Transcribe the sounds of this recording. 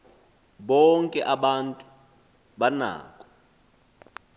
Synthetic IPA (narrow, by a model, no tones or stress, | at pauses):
ɓɔŋkʼɛʔaɓantʼu | ɓana̰ːkʼɔ̥